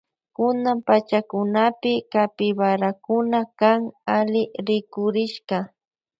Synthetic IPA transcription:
kʊnampat͡ʃakʊnapɪkapɪwaɾakʊnakaŋalɪɾɪkʊɾɪʃɢɑ

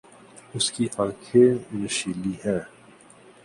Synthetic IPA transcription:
ʊskiʔãːkʰenəʃiːliɦɛː

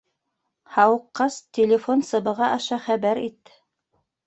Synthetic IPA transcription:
hɑwɤ̆qːɑst̪ʲelʲɪfonsɤ̆bɤ̆ʁɑʔɑʃɑχæbæɾit̪ːɘ̥

